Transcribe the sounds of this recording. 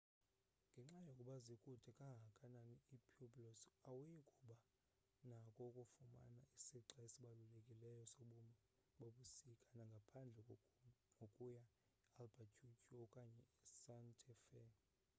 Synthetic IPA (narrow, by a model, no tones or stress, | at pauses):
ŋɡʱɛŋ͡ǁajokʼuɓazikʼutʰɛkʼaŋɡʱakʼananiipʰubʼlosawujikʼuɓa | nakʼɔkʼufuma̰naisiǁaesiɓalulekʼilɛjɔsoɓum | ɓoɓusikʼanaŋɡʱapʰand͡ɮʱɛ | ŋʱokʼuja | ialbʱat͡ʃʰʼut͡ʃʰʼiɔkʼaɲɛɛsantʰɛfɛ